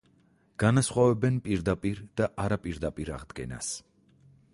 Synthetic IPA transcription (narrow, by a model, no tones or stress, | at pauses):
ɡ̥anasχwavɛbɛnpʼiɾd̪apʼiɾd̪̥aʔaɾapʼiɾd̪apʼiɾa̰ʁd̪ɡɛ̰na̰s